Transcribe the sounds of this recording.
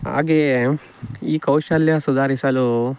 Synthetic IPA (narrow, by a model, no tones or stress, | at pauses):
ɦa̰ːɡe | iːkɐwʃɐljɐsud̪ʱaːɾisɐlu